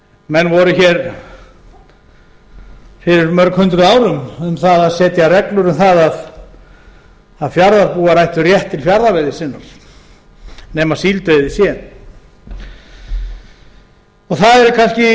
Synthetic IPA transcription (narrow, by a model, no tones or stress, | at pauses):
mɛnːvɔɾʏçɛɾ | fɪɾɪɾmœɾkhʏnt̪ɾʏaːwɾʏmʏmθaðaðsɛːt̪jarɛklʏɾʏmθaðað | aðfjaɾðaɾpuːaɾajht̪ʏrjɛht̪ʰːɪlfjaɾðavɛðɪsɪnːaɾ̥ | nɛːmḁsiːlt̪œɥðɪsjɛn | ɔɣθaðɛɾkʰanscɪ